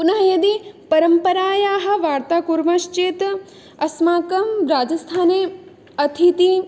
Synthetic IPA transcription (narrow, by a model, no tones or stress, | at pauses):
pʊnɐɦɐjɐd̪ipɐɾəmpɐɾaːjaːɦɐ̆ʋaːɾt̪aːkuɾmɐʃt͡ʃeːt̪ | ɐsmaːkɐmɾaːd͡ʒɐst̪ʰaːne | ɐt̪ʰit̪i